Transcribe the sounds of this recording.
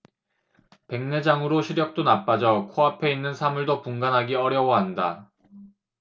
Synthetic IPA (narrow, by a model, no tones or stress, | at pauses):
pe̞ŋne̞d͡ʑaŋɯɾoɕʰiɾjʌk̚t͈onap͈ad͡ʑʌkʰoɦapʰe̞inːɯnsʰamuɭdopuŋɡanɦaɡiʌɾjʌwʌɦanda